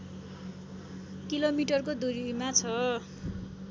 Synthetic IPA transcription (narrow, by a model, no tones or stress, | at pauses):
kilomiʈʌrkod̪uɾmat͡sʰʌ